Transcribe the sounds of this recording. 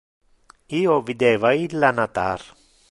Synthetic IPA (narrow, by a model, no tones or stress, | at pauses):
iːovid̪ɛːvailːanat̪aɾ